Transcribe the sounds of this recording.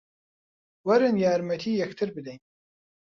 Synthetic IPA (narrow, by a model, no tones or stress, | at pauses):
wɐɾɨnjaːɾmɛt̪ʰiːjɛkt̪ʰɨɾbɨd̪ɛjn